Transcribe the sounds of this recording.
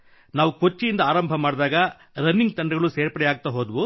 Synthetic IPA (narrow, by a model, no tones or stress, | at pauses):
naːʋukot͡ʃːijind̪ɐaːɾɐmbʱɐmaːɽd̪aːɡɐ | ɾɐnːiŋɡ̚t̪ɐɳɖɐɡɐɭuseːɾpɐɽɛjaːɡ̚t̪ɐɦoːd̪ɐʋu